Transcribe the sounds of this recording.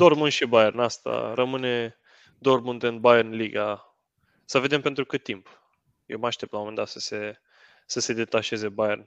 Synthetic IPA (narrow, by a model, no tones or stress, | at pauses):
d̪̥ormunʃibajernast̪a̰rəmɨne̞ | d̪o̞rmunt̪ɨnbajernliɡa | səve̞d̪empe̞nt̪ɾukɨt̪t̪ːimp | jḛwmaʃt̪ep̪̚lamoend̪at̪sə̥se | səse̞d̪e̞t̪aʃe̞ze̞bajern